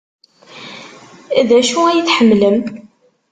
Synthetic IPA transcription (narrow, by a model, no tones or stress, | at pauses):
æðæʃuæjəθħəmːləm